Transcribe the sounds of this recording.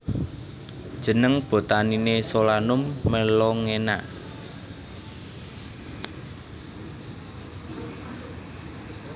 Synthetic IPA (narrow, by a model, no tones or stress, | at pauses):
d̥ʒ̥ə̤nəŋb̥o̤t̪aninesolanʊmːəlɔŋena̰